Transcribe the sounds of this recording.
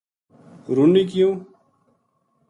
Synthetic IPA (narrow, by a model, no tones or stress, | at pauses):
ɾunikijũː